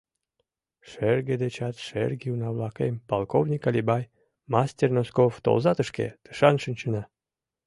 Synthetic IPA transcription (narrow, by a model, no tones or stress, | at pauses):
ʃerɡed̪et͡ɕɑt̪ʃḛrɡiunɑβlɑkempɑlˠkovnʲikɑlʲibɑj | mɑsʲtʲernoskoft̪o̰lzɑt̪əʃkḛt̪ə̥ʃɑnʃɨnʲt͡ɕənɑ